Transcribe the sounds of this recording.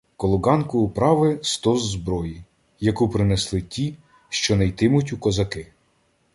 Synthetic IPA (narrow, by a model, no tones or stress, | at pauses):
kɔlˠɔɡɑnkʊʊpɾɑʋɪst̪ɔzːbɾɔji | jɐkupɾɪneslˠɪtʲi | ʃt͡ʃɔnɐjt̪ɪmʊtʲukɔzɐkɪ